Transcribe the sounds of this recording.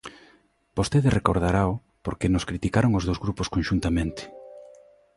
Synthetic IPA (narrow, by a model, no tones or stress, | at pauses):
b̥ost̪eðereko̰ɾð̞aɾao | poɾkenʊskɾit̪ikaɾoŋozðowzɣɾuposkonʃunt̪amẽnt̪ɪ̥